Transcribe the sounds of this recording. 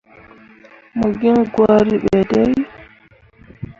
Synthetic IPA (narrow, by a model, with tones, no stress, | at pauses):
mu˨ɡi˦nɡwa˦ɾi˦ɓɛ˨dɛ˦j